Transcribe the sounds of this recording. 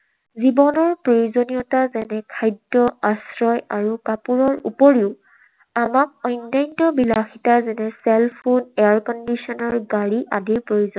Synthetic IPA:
zibɔnɔɹpɹojozonijɔtazɛnɛkʰajdɹɔasɹɔjaɹukapuɹɔɹṵpɔɹiʊ | amak̚ɔjnːajntɔbilaxitazɛnɛsɛlpʰudɛaɹkɔndisɔnɔɹɡaɹiʔadiɹpɹojozɔn

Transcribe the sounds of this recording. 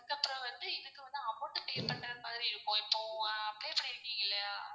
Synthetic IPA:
ɯkːɐpːɯɾɔ̃ʋɐnd̪ɯɪðɯkːɯʋɐnd̪ɯɐmːoɳɖɯpeːpɐɳɖɾɐmaːðɪɾiɪɾɯkːõɪpːõːɐpɽeːpɐɽɪɾɯkːiːŋɡɐɭːɐjaː

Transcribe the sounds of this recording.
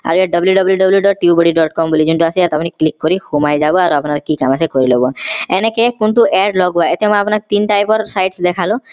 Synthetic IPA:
a̰ɾeɖɔbljuɖɔbljuɖɔbljuɖɔʈːiuboɽiɖɔʈkɔmbulid͡ʑuntuasiat̪apniklikːoɾihumajd͡ʑaboaɾuapnaɾkikamasekoɾiloboɛnekekunʈuʔɛɖlɔɡbaet̪ɛamɔapnaket̪inʈajpɔɾsajʈsd̪ɛkʰalo

